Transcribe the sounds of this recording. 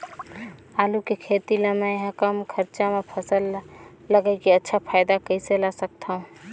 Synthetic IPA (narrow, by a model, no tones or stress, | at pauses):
aːlukekʰeːt̪iləmaẽɦəkəmkʰəɾt͡ʃamepʰəsəlːəɡəɪkiətːʃʰapʰaːjd̪akəiselasək̚t̪ʰaɦũ